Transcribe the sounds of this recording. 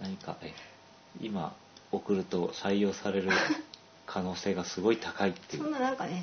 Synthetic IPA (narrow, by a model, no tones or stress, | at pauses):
naɲ̟ika̰ʔe | ima̰ | o̞kɯ̟ɾɯ̟t̪o̞saijo̞ːsaɾe̞ɾɯ̟ | kʰano̞ːse̞ːɡasɨɡo̞it̪ʰakait̪ːe̞iɯnãŋkad̪e